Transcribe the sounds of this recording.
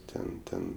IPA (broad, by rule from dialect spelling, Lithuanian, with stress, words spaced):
ˈtʲɛn ˈtʲɛn